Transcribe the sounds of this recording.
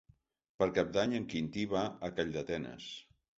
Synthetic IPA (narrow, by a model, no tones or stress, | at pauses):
pəɾkap̚d̪aɲəŋkint̪iβaəkaʎd̪ət̪ɛnə̰s